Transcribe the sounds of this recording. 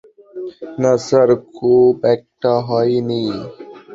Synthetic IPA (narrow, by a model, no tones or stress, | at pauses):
nɐsəɾkobɛːk̚ʈaɦoinĩː